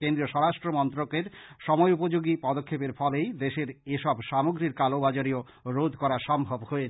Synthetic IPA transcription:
kend̪ɾioʃɔɾaʃʈɾomɔnt̪ɾokeɾʃɔmɔeupod͡ʑoɡipɔd̪okʰːepeɾfɔlejd̪eʃeɾeʃɔbʃamoɡɾiɾkalobad͡ʑaɾio | ɾod̪ʱkɔɾaʃɔmbʱobhoe

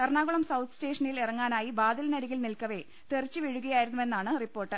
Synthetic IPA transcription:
ɐrɳaːɣuɭɐmsɐwt̪ʰste̞ːʂɐnilirɐŋːaːnaːjibaːd̪ilɐnɐɾiɣilnilkɐʋe̞ | t̪erit͡ɕːɨʋiɻuɣɐjaːjiɾunːuʋe̞nːaːɳɨripːo̞ːrʈːɨ

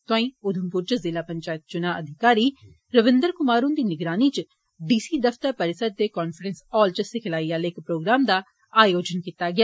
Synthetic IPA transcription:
t̪ʊãːĩːʊd̪ʱəmpʊɾt͡ʃəzɪlaːpəɲt͡ʃaːjət̪̚t͡ʃʊnaːʔəd̪ʱɪkaːɾiː | ɾəʋɪ̃nd̪əɾkʊmaːɾũːnd̪iːnɪɡɾaːniːt͡ʃ | ɖiːsiːd̪əft̪əɾpəɾɪsəɾ̚d̪eːkɔːnfʰəɾənsɔːlt͡ʃəsɪkʰəlaːiːaːlɪkpɾoːɡɾaːmd̪aː | aːjoːd͡ʒənkit̪aːɡɪaː

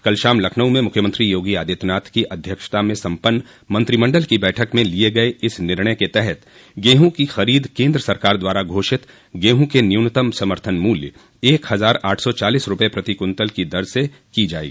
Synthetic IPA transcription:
kɐlʃaːmlɐkʰnəw̃mẽmʊkʰjəmə̃nt̪ɾijoːɡiaːd̪eːt̪naːt̪kiʔɐd̪ʱjəkʃt̪amẽsɐ̃mpənː | mɐ̃nt̪ɾimɐ̃ɳɖəlkibɛːʈʰəkmẽlieɡɐeʔɪsnɪɾɳəket̪ɛɦɛt̪ | ɡeːɦũkixɐɾiːd̪kẽːnd̪ɾəsɐɾkaːɾd̪waːɾaɡʱoːʃɪt̪ | ɡeːɦũkenijunət̪əmsɐməɾt̪ʰənmuːljə | eːkhɐzaːɾaːʈʰsɔt͡ʃaːliːsɾʊpəepɾɐt̪ikʊnt̪əlkid̪ɐɾsse | kid͡ʒaːḭː

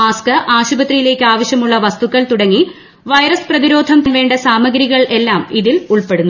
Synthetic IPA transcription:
aːskɨʔaːɕubɐt̪rijile̞ːkʲːɨaːʋɐɕjɐmuɭːɐʋɐst̪ukːɐɭt̪uɽɐŋːi | ʋɐjɾɐsprɐðiɾo̞ːd̪ʱɐmt̪nʋe̞ːɳɖɐsaːmɐɡɾiɣɐɭe̞lːaːmiðiluɭpe̞ɽunː

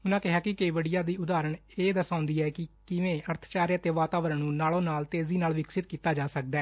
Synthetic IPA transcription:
ʊnãːkɪɦaːkɪkəiːʋəɽijaːd̪iːʊd̪aːɾəɳeːd̪əsãːʊ̃nd̪iːɛːkɪkɪʋẽːəɾt̪ʰt͡ʃaːɾjət̪eːʋaːt̪aːʋəɾəɳːũːnaːlõːnaːlt̪eːziːnaːlʋɪksɪt̪̚kiːt̪aːd͡ʒaːsək̚d̪ɛː

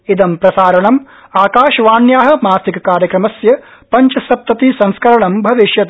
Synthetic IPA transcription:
id̪ɐmpɾɐsaːɾɐɳɐm | aːkaːʃɐʋaːnjaːɦɐ̆maːstikkːaːɾjɐkɾɐmɐsjɐ | pɐɲt͡ʃɐsɐp̚t̪ɐt̪isɐ̃ŋskʰɐɾɐɳɐmbʱɐʋiʃjɐt̪

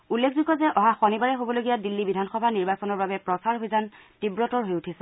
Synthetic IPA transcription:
ulːekʰzikɔzɛʔɔɦaxɔnibaɹɛɦobɔloɡijadilːibidʱanxɔbʱaniɹbasɔnɔɹbabɛpɹɔsaɹɦojzantibɹɔtɔɹɦojutʰisɛ

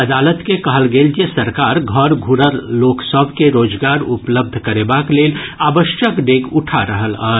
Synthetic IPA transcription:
ɐd̪aːlət̪kekɐɦəlɡeːld͡ʒesəɾkaːɾɡʱɔɾɡʱuɾəɾloːksəbʱkeɾoːd͡ʒɡaːɾʊpləb̚d̪ʱkɐɾeːbakleːlaːbəʃjəkɖeːkʊʈʰaɾəɦəlɔː

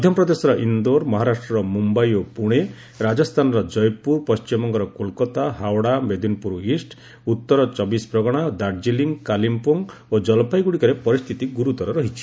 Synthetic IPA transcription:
d̪ʱjɔmpɾɔd̪esɔɾɔʔind̪oɾmɔɦaɾasʈɾɔɾɔmumbajopuɽ̃e | ɾad͡ʒɔst̪ʰanɔɾɔd͡ʒɔjpuɾpɔst͡ʃimɔŋɡɔɾɔkolkɔt̪aɦawɽamed̪inpuɾisʈ | ut̪ːɔɾɔt͡ʃɔbispɾɔɡɔɽ̃ad̪aɾd͡ʒiliŋɡkalimpoŋod͡ʒɔlpʰajɡuɽikɔɾepɔɾist̪ʰit̪iɡuɾut̪ɔɾɔɾɔɦit͡ʃʰi̥

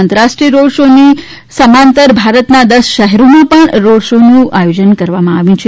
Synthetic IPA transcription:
nt̪əɾaʂʈɾiəɾoɽʃoni | səmãnt̪əɾbʱaɾət̪nad̪əsʃəɦɛɾomãpəɳɾoɽʃonũʔajod͡ʒənkəɾʋamãaʋjũt͡ʃʰe

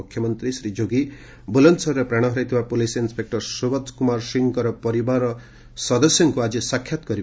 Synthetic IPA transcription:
ukʰjɔmʌnt̪ɾisɾid͡ʒoɡi | bulʌnsɔrːʌpɾaɽ̃ʌɦʌɾajt̪ʰibapolisinspek̚ʈɔɾsobʌd̪kumaɾsiŋkɔɾɔpɔɾibaɾɔ | sʌd̪ɔsjɔŋkuad͡ʒisakʰːjat̪ɡʌɾi

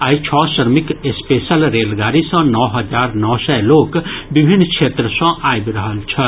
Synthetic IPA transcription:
aːit͡ʃʰɔːʃəɾmɪkespeːsəlɾeːlɡaːɾisə̃nɔːɦɐd͡ʒaːɾnɔːsɛloːkbɪbʱɪnkʃʰeːt̪ɾəsə̃ʔaːjbɾəɦəlt͡ʃʰɛ

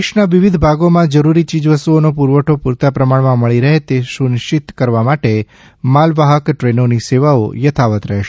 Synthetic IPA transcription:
ʃnaʋiʋid̪ʱbʱaɡomãd͡ʒəɾuɾit͡ʃid͡ʒʋəst̪uonopuɾʋəʈʰopuɾt̪apɾəmaɳmãməɭiɾəɦet̪esunɪʃɪt̪kəɾʋamaʈe | malʋaɦəkʈɾenoniseʋao̰jət̪ʰaʋət̪ɾəɦeʃe

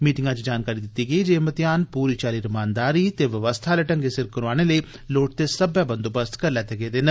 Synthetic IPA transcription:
miːʈɪ̃ŋɡãt͡ʃid͡ʒaːnkaːɾid̪ɪt̪iɡɐid͡ʒeːmɐt̪jaːnpuːɾit͡ʃaːɾiɾɐmaːnd̪aːɾit̪eʋɐʋəst̪ʰalɐʈəŋkesɪɾkkɐɾʋaːɽ̃ele | loːʈ̚t̪esɐbjabɐnd̪obəst̪kɐɾlɛːt̪eɡet̪eːnɐ

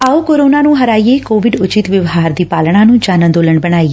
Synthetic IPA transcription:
aːoːkoːɾoːnaːnũːɦəɾaːieːkoːʋɪɖʊt͡ʃɪt̪ʋəʋɦaːɾd̪iːpaːlɽ̃ãːnũːd͡ʒaːnə̃nd̪oːləɳbəɽ̃aːi

